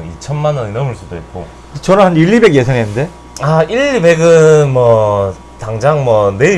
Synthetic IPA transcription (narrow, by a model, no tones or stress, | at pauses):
nit͡ɕʰʌnmanʌnenʌmɯɭs͈udoit̚k͈o | et͡ɕʌɾɯhaniʎːibe̞ɡje̞sʰaŋɦenɯnde̞ | aiʎibe̞ɡɯnmwʌ | taŋd͡ʑaŋmwʌne̞i